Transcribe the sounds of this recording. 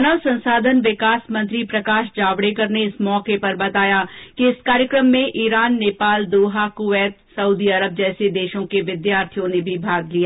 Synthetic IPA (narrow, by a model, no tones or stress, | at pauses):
nəʋsɐ̃nsaːd̪ʱənʋɪkaːsmɐ̃nt̪ɾipɾɐkaːʃd͡ʒaːʋɽekɐɾneɪsmɔːkepɐɾbɐt̪aːjakiɪskaːɾjəkɾəmːẽʔiːɾaːnːeːpaːld̪oːɦakʊʋɛːt̪sɐuːd̪iɐɾəb̚d͡ʒɛːsed̪eːʃõkeʋɪd̪jaːɾt̪ʰijõnebʱibʱaːɡlijaː